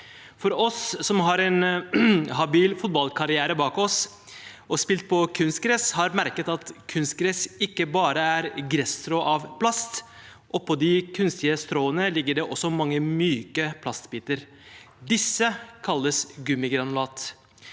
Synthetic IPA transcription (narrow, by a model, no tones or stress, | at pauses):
fɔɾɔsːɔmɦɑɾɛn | ɦɑbiːlfʊt̪̚bɑlkʰɑɾɪæːɾəbɑːkɔs | ʔɔspɪlt̪̚pʰɔkʰʉnst̪̚ɡɾɛshɑɾmæɾkət̪ɑt̪kʰʉnst̪̚ɡɾɛsɪkːəbɑːɾəæɾɡɾɛst̪ɾɔʔɑʋpʰlɑst̪ | ʔɔpʰɔd̪ɪkʰʉnst̪ɪəst̪ɾoːənəlɪɡːəɖɛʔɔsːɔmɑŋːəmyːkəpʰlɑst̪biːt̪əɾ | d̪ɪsːəkʰɑlːəsɡʉmɪɡɾɑnʊlɑːt̪